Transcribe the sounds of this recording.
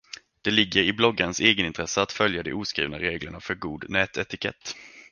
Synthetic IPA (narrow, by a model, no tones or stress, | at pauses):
d̪̥ɛlɪɡːəɾɪblɔɡːaɾənseːɡənɪnt̪ʰɾɛsəat̪fœljad̪ɪ̰uːskɾḭːvnaɾeːɡləɳafœɾɡuːd̪nɛːt̪ɛt̪ɪkʰɛ̰t̪ː